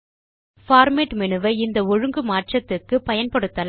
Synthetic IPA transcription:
faːɾmeːʈmɪnɯʋɐɪnd̪ɐɔɻɯŋɡɯmaːʈt͡ʃɐt̪ːɯkːɯpɐjɐnpɐɽɯt̪ːɐl

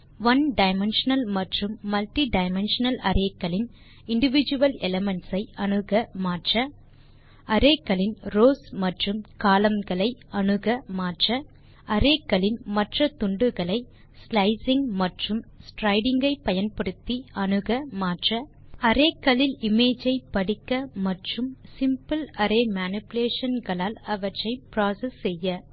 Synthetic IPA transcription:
ʋɐnɖɐɪmɛnʂɐnɐlmɐʈrɯmːɐlʈiɖɐɪmɛnʂɐnɐlɐɾʔeːkːɐɭɪn | ɪɳɖɪʋɪd͡ʒɯʋɐlɛlɐmɛɳʈsɐɪɐɳɯɣɐmaːʈrɐ | ɐɾeːkːɐlɪnɾoːsmɐʈrɯmkaːlɐmɡɐɭɐɪɐɳɯɣɐmaːʈrɐ | ɐɾeːkːɐɭɪnmɐʈrɐt̪ʊɳɖɯɣɐɭɐɪ | slɐɪsɪŋɡmɐʈrɯmsʈɾɐɪɽɪŋɡɐɪpɐjɐnpɐɽɯt̪ːiɐɳɯɣɐmaːʈrɐ | ɐɾeːkːɐɭɪlɪmeːd͡ʒɐɪpːɐɽɪkːɐmɐʈrɯmsɪmpɯlɐɾeːmaːnɪpɪleːʂɐnɡɐɭaːlɐʋɐʈrɐɪpɾaːsɐsːɛjːɐ

